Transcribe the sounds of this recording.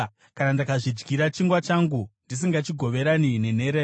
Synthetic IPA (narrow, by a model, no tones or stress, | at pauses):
kanandakaʐid͡ʒɡiɾat͡ʃiŋɡwat͡ʃaŋɡundis̬iŋɡat͡ʃiɡʱo̞ʋe̞ɾanine̞ne̞ɾeː